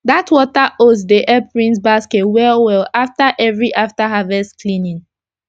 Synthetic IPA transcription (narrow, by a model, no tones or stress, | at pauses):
datwɔtaʔosdeʔɛpɹĩnsbasketwɛlwɛlaftaʔɛvɹiʔaftaɦavɛstklĩnĩŋ